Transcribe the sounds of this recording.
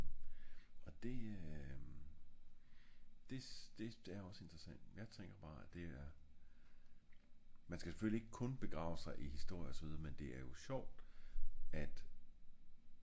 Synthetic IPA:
ɒ̽d̥e̝ | d̥e̝d̥e̝d̥e̝æɐjɒ̽se̝nd̥ʁɐsæn̰d̥jɑ̈ɪt͡sʰeŋɡ̥ɐb̥ɑ̈ːæd̥e̝æɐ | mænsɡ̥æse̥følie̝ɡ̥əkʰɔ̽nb̥e̝ɡ̥ʁɑ̰̈ʊəsɑ̈ɪʔihisd̥o̝ɐ̰jəɒsɒʋið̞ˠɐmend̥e̝æɐjo̝ɕɒʊ̰d̥ | æd̥

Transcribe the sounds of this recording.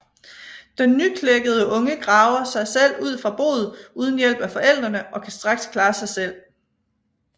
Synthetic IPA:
d̥enːykʰleɡ̥əð̞ˠəʔɔ̽ŋəɡ̥ʁɑ̈ʊɐsɑ̈ɪsel̰uð̞̰ˠfʁɑ̈b̥o̝̰ːð̩ˠuːð̞ˠn̩jel̰b̥æfɒ̽ʔel̰d̥ʁɐnəʔɒ̽kʰæsd̥ʁɑ̈ɡ̥skʰlɑ̈ːsɑ̈ɪsel̰

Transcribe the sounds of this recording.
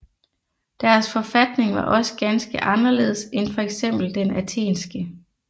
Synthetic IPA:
d̥æɐsfɒ̽fæd̥ne̝ŋʋɑ̈ʔɒ̽sə̥ɡ̥ænsɡ̥əʔɑ̈nɐle̝̰ːðˠsenfɒ̽eɡ̥sem̰b̥l̩d̥enæt͡sʰe̝̰ːnsɡ̥ə

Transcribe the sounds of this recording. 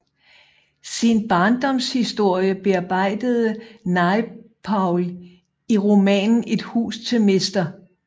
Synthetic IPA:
sinb̥ɑ̈ːnd̥ɒ̽mshisd̥o̝ɐ̰jəb̥e̝ɑ̈b̥ɑ̈ɪ̰d̥əð̩ˠənɑ̈ɪpʰɑʊl | iʁomɛ̰ːnn̩e̝d̥hṵːst͡sʰe̝mesd̥ɐ

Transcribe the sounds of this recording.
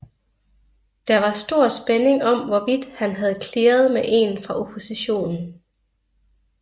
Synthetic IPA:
d̥ɑ̈ʋɑ̈sd̥o̝ɐ̰sb̥ene̝ŋɒ̽mʋɒʋid̥hænɦæð̞̩ˠkʰleːɐð̞̩ˠmeʔe̝nfʁɑ̈ʔo̝pʰo̝siɕo̝̰ːnn̩

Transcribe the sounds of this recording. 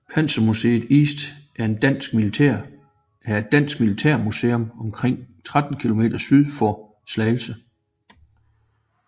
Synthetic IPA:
pʰænsɐmuse̝̰ːðˠḭːsd̥ʔæɐe̝nd̥æn̰sɡ̥milit͡sʰḛɐ̰ | æɐe̝d̥æn̰sɡ̥̚milit͡sʰeɐ̰muse̝ːomɒ̽mkʰʁeŋ̰t͡sʰʁad̥n̩kʰilo̝me̝̰ːd̥ɐsyð̞ˠfɒ | slɛɪl̩sə

